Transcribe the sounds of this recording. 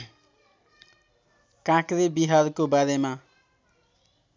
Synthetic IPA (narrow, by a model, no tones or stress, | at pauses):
kãkɾebiɦarkobaɾema